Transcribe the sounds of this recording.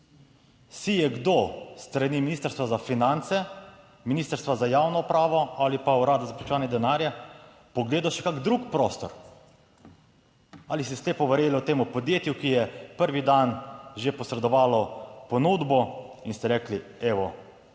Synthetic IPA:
sijɛɡd̪ost̪ɾaniminist̪əɾst̪ʋazafinant̪sɛ | miniːst̪əɾst̪ʋazajawnɔupɾaːʋɔalipauɾaːd̪azaplut͡ʃɛʋaːnjɛd̪ɛnaːɾja | pɔɡleːd̪aʃɛ̥kaɡd̪ɾukpɾoːst̪ɔ̰ɾ | alist̪ɛsleːpɔʋəɾjelɔt̪eːmupɔd̪jeːt̪jukijɛpəɾʋid̪anʒepɔsɾɛd̪ɔʋaːlɔpɔnud̪bɔinst̪ɛɾɛːklieːʋɔ

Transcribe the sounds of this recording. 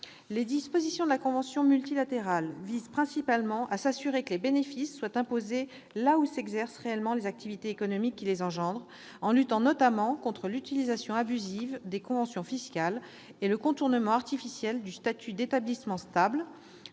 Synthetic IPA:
led̪ispozisjɔ̃d̪əlakɔ̃vɑ̃sjɔ̃mylt̪ilat̪eʁalvizpχɛ̃sipalmɑ̃ʔasasyʁekəlebenefisːwat̪ɛ̃poze | lausɛɡzɛʁsʁeɛlmɑ̃lezak̚t̪ivit̪eːkɔnɔmikʲːilezɑ̃ʒɑ̃d̪ʁ | ɑ̃lyt̪ɑ̃nɔt̪amɑ̃kɔ̃t̪χəlyt̪ilizasjɔ̃abyzivd̪ekɔ̃vɑ̃sjɔ̃fiskal | eləkɔ̃t̪uʁnəmɑ̃aʁt̪ifisjɛld̪yst̪at̪ʰyd̪et̪ablismɑ̃st̪abl

